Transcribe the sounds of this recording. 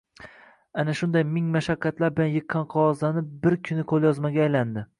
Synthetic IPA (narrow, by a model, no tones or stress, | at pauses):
anaʃʊnd̪ajmɪŋmaʃakʰʲːat̪laɾbɪlanjɨqʰːɑnqʰɒwɒzlanɪp̚bɪɾkʲʰʊnɪkʰolˠjɒzmaɡʲaːjland̪ɪ